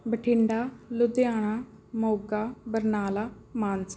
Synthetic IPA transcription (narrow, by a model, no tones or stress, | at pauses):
bəʈʰɪɳɖaːlʊd̪eaːɽ̃aː | moːɡaːbəɾnaːlaːmaːns